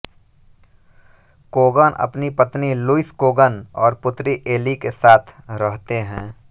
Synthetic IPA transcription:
koːɡənʔɐ̰pnipət̪niluɪskoːɡənɔːɾpʊt̪ɾiʔeːlikesaːt̪ʰɾəɦt̪eɦɛ̃ː

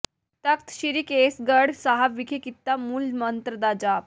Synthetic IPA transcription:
t̪əkt̪ɕiɾiːkesɡəɽsaɦaʋikʰekit̪ːamuːlmənt̪ɾəd̪ad͡ʑa

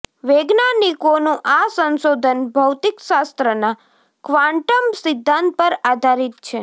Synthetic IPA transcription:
ʋeɡnanikonũʔasənʃod̪ʱənbʱəwt̪ikʃast̪ɾəna | kʋãɳʈəmsɪd̪ʱːãnt̪̚pəɾad̪ʱaɾit̪̚t͡ʃʰe

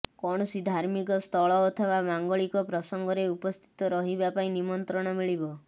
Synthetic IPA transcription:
kɔɽ̃ɔsid̪ʱaɾmikɔst̪ʰɔɭɔːt̪ʰɔβamaŋɡɔɭikɔpɾɔsɔŋɡɔɾeupɔst̪ʰi̥t̪ɔɾɔɦibapaĩnimɔnt̪ɾɔɽ̃ɔmiɭibɔ

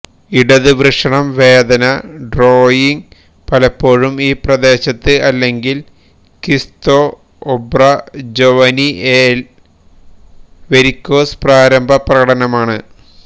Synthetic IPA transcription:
iɽɐðɨʋrɨʂɐɳɐmʋe̞ːd̪ɐnɐɖroːjiŋɡ | pɐlɐpːo̞ːɻumiːprɐd̪e̞ːɕɐt̪ːɨɐlːe̞ŋɡil | kist̪oː | obrɐd͡ʑoʋɐniel | ʋe̞ɾikʲːo̞ːspraːɾɐmbʱɐprɐɣɐɽɐnɐmaːɳɨ

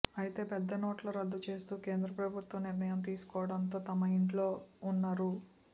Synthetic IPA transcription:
ɐjit̪e̞ːpɛd̪ːɐnoːʈloːɾɐd̪ːut͡ʃe̞ːst̪uːke̞ːnd̪ɾɐpɾɐbʱut̪ʋɐmniɾnɐjɐmt̪̬iːsu̥kɔːʋɐɽɐnt̪o̞ːt̪ɐmɐiɳʈlo̞ːunːaːɾu

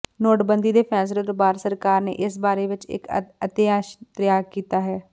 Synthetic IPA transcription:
noːʈbənd̪iːd̪eːpʰɛ̃ːs̬ɪɾɪt̪baːɾsəɾkaːɾnḛːʔɪsbaːɾeʋɪt͡ʃɪ̰kət̪ɪjaːʃt̪ɾɪjaːkiːt̪aːɦɛː

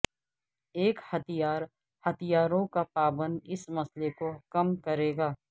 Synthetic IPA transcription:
eːkhɐt̪ʰijaːɾ | hɐt̪ʰijaːɾõkapaːbə̃nd̪ɪsmɐslekokɐmkɐɾeːɡaː

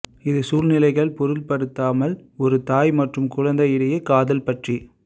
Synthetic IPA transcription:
ɪðɯsuːɾnɪlɐɪɣɐɭpɔɾɯlpɐɽɯt̪ːaːmɐlɔɾɯt̪aːjmɐʈrɯmkʊɻɐnd̪ɐjɪɽɐjɐkaːðɐlpɐʈri

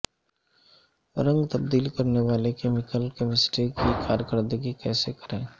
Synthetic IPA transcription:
ɾə̃ŋɡt̪ɐb̚d̪iːlkɐɾneʋaːlekeːmɪkəlkemɪsʈikikaːɾjəkəɾd̪əɡikɛːsekɐɾẽː

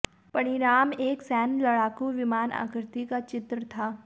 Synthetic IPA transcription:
pɐɽ̃ɪɾaːmeːksɛːnlɐɽaːkuʋɪmaːna̰ːkɾt̪ikat͡ʃɪt̪ɾət̪ʰaː

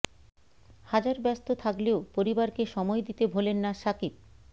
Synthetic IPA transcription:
had͡ʑaɾbɛst̪ot̪ʰakleopoɾibaɾkeʃɔmɔed̪it̪ebʱolenːaʃakip̚

